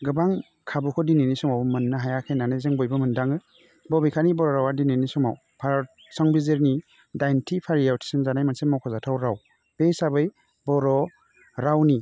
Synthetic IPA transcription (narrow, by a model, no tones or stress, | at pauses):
ɡɯbaŋ | kʰabukʰɔdinenisɔmawmɯnːaɦajakʰejnanɯzeŋbɔjbɯmɯndaŋɯ | bɔbijkʰanibɔɾɔɾawadinenisɔmaw | pʰa | sɔŋbizeɾni | dajntʰipʰaɾijawtʰi̥sɯnzanajmansemɔwkʰɔzatʰawɾaw | b̥ejsabɯj | bɔɾɔ | ɾawni